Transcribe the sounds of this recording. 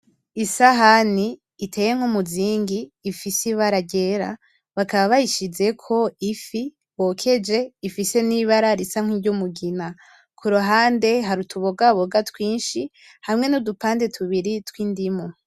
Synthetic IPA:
isaɦaniː | tʰejeŋ̥homuziːŋɡiːfisiβaɾaɟe̞ɾa̰ | βakaβaβajiʃize̞kʰo̞ifi | wokʰe̞d͡ʒe̞ifise̞niβaɾaɾisaŋ̥wiɟumuɡina | kʰuɾuɦaːnde̞ɦaɾutʰuβoɡaβoɡatwiːnʃi | hamŋe̞nodupaːnde̞tʰuβiɾitwiːndimo

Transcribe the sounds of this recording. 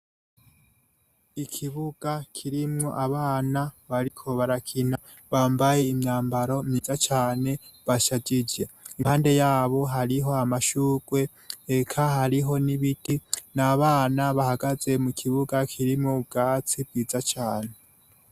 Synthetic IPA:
ikʰiβuɡ̥akʰiɾimŋo̞ʔaβaːnaβaɾikʰo̞βaɾakʰina | βaːmbaje̞imɲaːmbaɾo̞miːzat͡ʃaːne̞βaʃaɟid͡ʒe̞ihaːnde̞jaːβo̞ɦaɾiɦo̞amaʃuːɡ̥we̞ː | kʰaɦaɾiɦo̞niβidinaβaːnaβahaɡaze̞mukʰiβuɡakʰiɾimŋob̚ɡaːt͡sib̚ɡiːzat͡ʃaːne̞

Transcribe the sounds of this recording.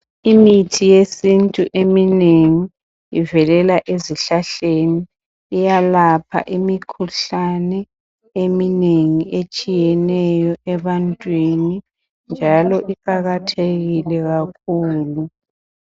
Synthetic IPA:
imitʰijesintʼuʔemineŋi | ivɛlɛlaʔeziɬaɬeniː | jalapʰa̰ʔimikʰuɬanɛ | emineŋiet͡ʃʼijɛnɛjɔɛβantʼwini | nd͡ʒʱalɔʔikʼaɣatʰeɣilɛɣakʰuːlu

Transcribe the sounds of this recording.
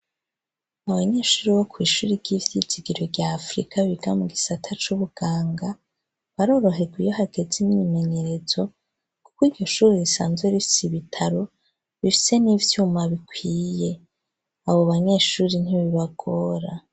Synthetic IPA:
aβaɲe̞ːʃuːɾiwokwiːʃuɾiɾɟivjiziɡiɾoɾɟaːfɾḭkʰaβiɡamuɡisatʰat͡ʃuβuɡ̥aːŋɡa | βaɾo̞ːɾo̞ɦe̞ɡwijoɦaɡe̞zimɲime̞ɲe̞ɾe̞zo̞ | ku̥kwiːdɟo̞ʃuːɾeisa̰ːnzɡwe̞βifi̥siβitʰaɾo̞ | βifi̥se̞niːvjuːmaβikwiːje̞ | aβo̞βaɲe̞ːʃuːɾin̥iβiβaɡ̥o̞ːɾa

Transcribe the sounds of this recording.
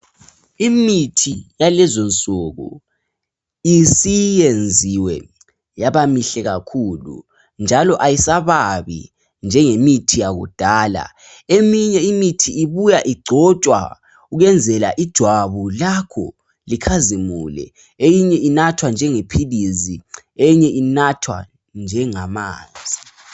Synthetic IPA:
imitʰijalɛzɔnt͡sʼɔɣṵ | isijend͡zʱiwɛ̰ | jaβamiɬɛɣakʰuːlṵ | nd͡ʒʱalɔʔajisaβaβḭ | nd͡ʒʱɛŋemitʰijaɣṵd̥ʱaːla̰ | emiɲɛimitʰiːβujaʔiɡ͡ǀʱɔt͡ʃʼwa̰ | uɣɛnd͡zʱɛla̰ʔid̥ʒ̥ʱwaβulakʰɔ̰ | likʰazimṵlɛ̰ | ejiɲɛinatʰwand͡ʒʱɛŋepʰilizi | ejɲɛʔinatʰwa̰ | nd͡ʒʱɛŋama̰ːnd͡zʱi

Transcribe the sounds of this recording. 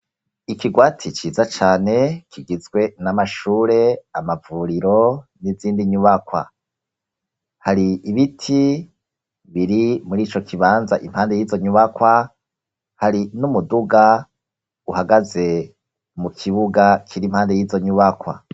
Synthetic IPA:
ikiɡwaːtʰit͡ʃiːzat͡ʃaːne̞kiɡizɡwe̞namaʃuːɾe̞amavuɾiɾo̞niziːndiɲuβakwa̰ | haɾiːβitʰi | βiɾimuɾiːt͡ʃo̞kʰiβaːnza̰ʔim̥haːnde̞jiːzo̞ɲuβakwa | haɾinumuduɡa | uhaɡaze̞ | mukʰiβuɡakʰiɾim̥haːnde̞jiːzo̞ɲuβakwa̰

